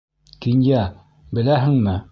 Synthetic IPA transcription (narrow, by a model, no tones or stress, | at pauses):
kinjæ | bɘ̆læɦɘ̆ŋmɘ